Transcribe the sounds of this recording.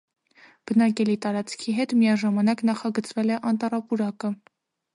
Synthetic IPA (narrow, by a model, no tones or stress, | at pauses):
b̥ənɑkɛlit̪ɑɾɑt͡skʰiɦɛt̪mijɑʒɑmɑnɑknɑχɑɡət͡svɛlɛʔɑnt̪ɑrɑpuɾɑkə